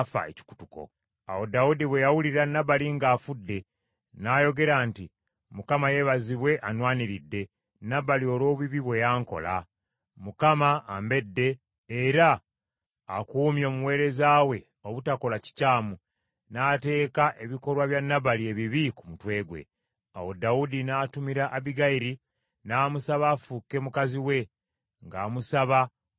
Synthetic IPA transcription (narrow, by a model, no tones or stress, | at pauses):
fa̰ḛci̥ku̥tuko̰ | a̰wo̞daudiβwe̞jawuliɾanːaβaliŋɡaːfudːe̞ | naːjo̞ɡe̞ɾaːnti | mukamaje̞βaziβwe̞ʔanwaːniɾidːe̞ | nːaβalio̞lo̞ːβiβiβwe̞jaːŋko̞̰la̰ | mukamaːmbe̞dːe̞ | eɾaː | kuːmjo̞ːmuwe̞ːɾe̞zaːwe̞ | o̞βutako̞laci̥caːmu | naːte̞ːkaʔe̞βiko̞lwaβjanːaβalie̞βiβikumutwe̞ːɡwe̞̰ | a̰wo̞daudinaːtumiɾaʔaβiɡaiɾi | naːmusaβaːfuke̞mukaziwe̞ | ŋɡaːmusaβa